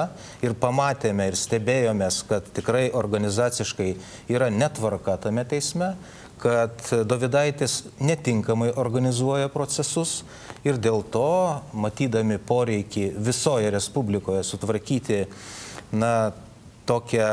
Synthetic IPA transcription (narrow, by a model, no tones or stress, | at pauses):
ɪrpɐmɑːt̪ʲeːmʲɛɪɾsʲt̪ʲɛbʲeːjoːmʲeːskɐt̪t̪ʲɪkɾɐɪʔoːɾɡɐnʲɪzɑːsʲɪʃkɐɪ | iːɾɐnʲɛt̪ʋɐrkɐt̪ɐmʲɛt̪ʲɛɪsʲmʲɛ | kɐt̪d̪oːʋʲɪd̪ɐɪt̪ʲesnʲɛt̪ʲɪŋkɐmɐɪʔoːrɡɐnʲɪzuɔjɛpɾoːsʲɛsʊs | ɪɾd̪ʲeːlˠt̪oːmɐt̪ʲiːd̪ɐmʲɪpoːɾʲɛɪkʲɪʋʲɪsoːjɛɾʲɛspʊbʲlʲɪkoːjɛsʊt̪ʋɐɾʲkʲiːt̪ʲɪ | nɐ | t̪oːkʲɛ